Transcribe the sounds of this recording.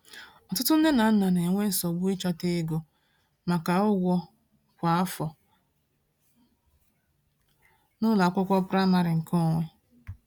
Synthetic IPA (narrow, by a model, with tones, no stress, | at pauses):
ɔ˨tʊ˦tʊ˦n̩˦de˦na˨n̩˦na˨ne˨ŋʷe˦n̩˨sɔ˨ɡʷu˦i˦t͡ʃa˦te˦ɡo˨ | ma˨ka˨ʊ˦ɡʷɔ˦ | kʷa˨a˦fɔ˨ | nʊ˦la˨a˨kʷʊ˦kʷɔ˦pɾa˦ma˨ɾɪ˨ŋ̩˨kʰo˦ŋʷe˦